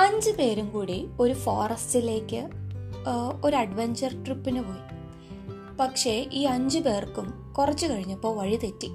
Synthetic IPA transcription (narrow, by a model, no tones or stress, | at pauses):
ɐɲd͡ʑɨpe̞ːɾumkuːɽio̞ɾufoːrɐstile̞ːkʲːɨ | o̞ɾuɐɖʋeɲd͡ʑɐrʈripːinɨpo̞ːji | pɐkʂe̞ʔiːɐɲd͡ʑɨpe̞ːrkːum | kurɐt͡ɕːukɐɻiɲːɐpːo̞ːʋɐɻit̪etːi